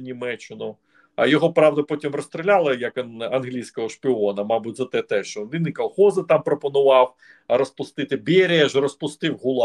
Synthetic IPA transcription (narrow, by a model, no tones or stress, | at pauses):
nʲimɛt͡ʃːɪnʊ | ɐ̰jɔɦɔpɾɑwd̪ɐpɔtʲimrɔst̪ɾɪlʲɑlˠɐjɐkɐnɐnɦlʲijsʲkɔɦɔʃpʲɪɔnɐmɑbutʲzɐt̪ɛt̪ɛʃt͡ʃɔʋʲinɪkɐlˠxɔzɪt̪ɑmpɾɔpɔnʊʋɑw | ɐɾɔspʊst̪ɪt̪ɪbʲeɾʲɪɛʒrɔspʊst̪ɪwɦʊlˠɑ